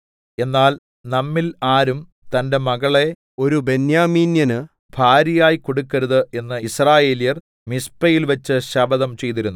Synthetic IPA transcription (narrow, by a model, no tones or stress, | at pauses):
e̞nːaːl | nɐmːilaːɾum | t̪ɐnde̞mɐɣɐɭe̞ | o̞ɾube̞njaːmiːnjɐnɨ | b̥ʱaːɾɐjaːjiko̞ɽukːɐɾuðɨe̞nːɨisraːje̞ːlijɐr | mispɐjilʋɐt͡ɕːɨɕɐbɐðɐmt͡ɕe̞jt̪̬iɾunːu